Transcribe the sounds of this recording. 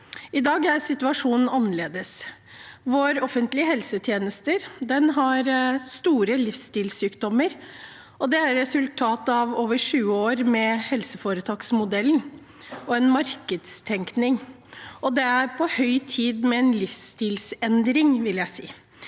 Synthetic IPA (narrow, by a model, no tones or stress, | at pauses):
ɪd̪ɑːɡæɾsɪt̪ʉɑʂuːnn̩ɑnːəleːd̪əs | ʋʊɾɔfənt̪lɪəɦɛlsət̪ʰjeːnəst̪əɾd̪ɛnɦɑɾst̪uːɾəlɪfst̪iːlsyːkd̪ɔmːəɾ | ɔd̪ɛæɾːɛsʉlt̪ʰɑːt̪ɑʋoːʋəʂʉːəoːɾmɛhɛlsəfoːɾət̪ʰɑːksmʊd̪ɛln̩ | ɔɛnmɑɾkəd̪st̪ʰɛŋknɪŋ | ɔd̪ɛæɾpʰɔhœʏt̪ʰiːd̪mɛɛnlɪfst̪iːlsɛnd̪ɾɪŋʋɪljæɪsiː